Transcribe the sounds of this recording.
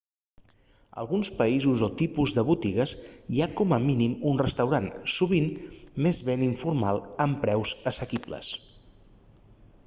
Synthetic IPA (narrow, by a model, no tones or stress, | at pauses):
ə̰lˠɣunspəizuzot̪ipuzðəβut̪iɣəziakɔməminimunrəst̪əwɾansuβ̞immezβeniɱfurmalˠəmpɾɛwzəsəkiblə̰s